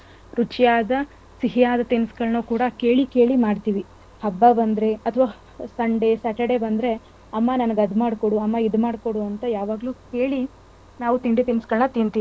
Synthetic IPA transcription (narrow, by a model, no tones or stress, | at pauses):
ɾut͡ʃjaːd̪ɐ | siɦijaːd̪ɐt̪inskɐɭɐɳɐkuːɽɐkeːɭike̞ːɭimaːɽt̪iːʋi | hɐbːabɐnd̪ɾe̞ɐt̪ʰɐʋaː | sɐɳɖesɐʈɐɽebɐnd̪ɾe̞ | ɐmːɐnɐnɐɡɐd̪maːɽkoɽuɐmːɐid̪maːɽkoɽuɐnt̪ɐjaːʋaːɡluke̞ːɭi | naːʋut̪iɳɖit̪inskɐɭɐɳɐt̪int̪iːi